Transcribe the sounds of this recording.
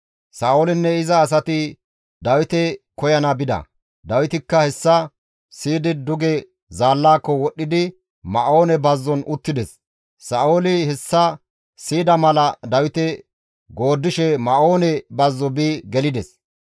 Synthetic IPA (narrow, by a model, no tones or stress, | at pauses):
saːolɪnːɛɪzɐːs̬ɐt̪ɪ | d̪ɐwɪt̪ɛkɔjɐnɐbɪd̪ɐ̰ | d̪ɐwɪt̪ɪkːɐhɛsːɐ | siːd̪ɪd̪ʊɡɛ | zaːlːaːkːɔwɔɗːɪd̪ɪ | mɐʔo̞ːnɛbɐzːɔnʊt̪ːɪd̪ɛs | sɐːolɪhɛsːɐ | siːd̪ɐmɐlɐd̪ɐwɪt̪ɛ | ɡo̞ːd̪ːɪʃɛmɐʔo̞ːnɛbɐzːɔbiːɡɛlɪd̪ɛs